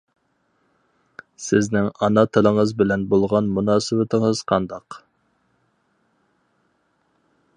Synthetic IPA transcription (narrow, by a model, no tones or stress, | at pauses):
sɪznɪŋɑnɑt̪ʰɨɾəŋəzbɪlɛnbolˠʁɑnmunɑːsɨwɪt̪ʰɪŋəz̥qʰɑnd̪ɑq